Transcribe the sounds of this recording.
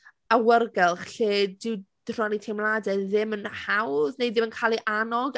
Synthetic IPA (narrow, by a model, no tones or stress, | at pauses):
awərɡɛlˠχɬeːdɪwd̥r̥ɔnitʰemlˠadɛðɪmənhawðnejðɪmənkʰaːlˠiʔanɔɡ